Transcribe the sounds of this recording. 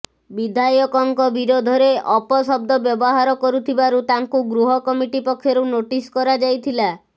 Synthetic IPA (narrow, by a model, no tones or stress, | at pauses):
bid̪ʱajɔkɔŋkɔbiɾod̪ʱɔɾeʔɔpɔsɔb̚d̪ɔbjɔbɔɦaɾɔkɔɾut̪ʰibaɾut̪aŋkuɡɾuɦɔkɔmiʈipɔkʰːjɔɾunoʈiskɔɾad͡ʒajt̪ʰila